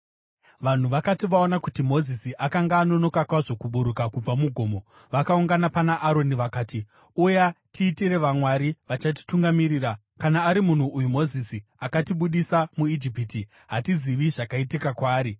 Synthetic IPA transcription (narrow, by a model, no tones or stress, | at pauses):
ʋan̤uʋakatiʋao̞nakutimo̞zisiʔakaŋɡaːno̞no̞kakwaʐo̞kuɓuɾukakub͡vamuɡʱo̞ːmo̞ | ʋakauŋɡanapanaʔaɾo̞niʋakaːti | ujatʰiːtiɾe̞ʋamwaɾiʋat͡ʃat̬i̥tuŋɡamiriːra | kanaːɾimun̤uːjumo̞zisiakatiɓuɗisamuid͡ʒipiti | ɦatiziʋiʐakaitikakwaːɾi